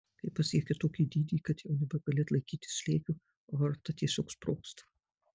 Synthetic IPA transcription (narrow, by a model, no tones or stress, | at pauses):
kɐɪpɐsʲiɛkʲɛt̪oːkʲiːd̪ʲiːd̪ʲiːkɐt̪jɛʊnʲɛbʲɛɡɐlʲeːt̪lˠɐɪkʲiːt̪ʲɪ̥sʃʲlʲeːkʲʊ | oɐrt̪ɐt̪ʲiɛsʲoːkspɾoːkst̪ɐ̥